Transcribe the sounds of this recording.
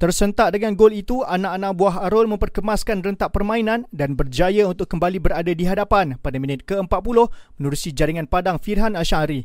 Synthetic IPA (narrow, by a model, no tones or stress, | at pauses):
t̪ərsənt̪aʔ̚dəŋanɡolit̪uanãʔanãʔbuaɦaɾolmə̃mpərkəmaskanrənt̪aʔpərmãinãndanbərd͡ʒajaunt̪ʊkːəmbalibəɾadadiɦadapanpadamĩnɪt̪̚kəəmpat̪̚pulʊhmənuɾusid͡ʒaɾiŋãnpadaŋfirɦanaʃaɾi